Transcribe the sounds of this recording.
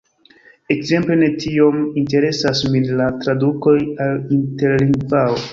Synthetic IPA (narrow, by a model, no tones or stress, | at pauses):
e̞kze̞mple̞ne̞tʰio̞minte̞ɾe̞sasmilatɾaduko̞jalinte̞ɾliŋɡvawo